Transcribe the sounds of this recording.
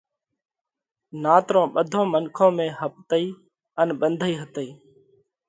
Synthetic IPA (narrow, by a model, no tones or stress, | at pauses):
naːt̪ɾõːɓəd̪ʱõːmənkʰõːmẽːɦəp̚t̪əiː | ənɓənd̪ʱəiːɦət̪əiː